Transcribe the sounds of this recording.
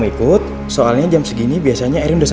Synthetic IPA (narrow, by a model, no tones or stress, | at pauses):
ikʊt̪̚ | soalɲad͡ʒamsəɡinibiasaɲaɛɾɪndos